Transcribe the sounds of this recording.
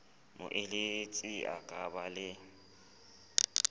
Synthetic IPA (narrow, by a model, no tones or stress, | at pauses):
mʊ̰ʔɪlɪt͡sʼia̰kʼabalɪ